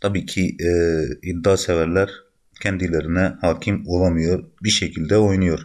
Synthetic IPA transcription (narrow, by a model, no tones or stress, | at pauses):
t̪ʰabiːcʰi | ib̚d̪aːsɛvæɾlʲæɾ | cʰɛnd̪ilʲeɾinɛhaːcʰimolˠamɯjo̞ɾbiʃecʰilʲd̪ɛo̞jnujo̞ɾ